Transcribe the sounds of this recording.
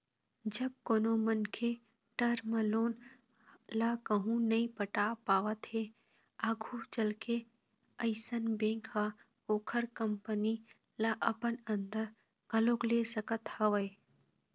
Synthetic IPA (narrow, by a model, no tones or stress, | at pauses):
d͡ʒɐb̚koːnomɐnkʰe | ʈɐɾmə̃loːn | lakɐɦũnɐĩpɐʈapaːʋət̪ɦe | aːɡʱut͡ʃɐlke | ɐɪsənbẽːŋkʰɦa | oːkʰəɾkɐmpəni | laʔɐpənɐ̃nd̪əɾ | ɡɐloːkleːsɐkət̪hɐʋəe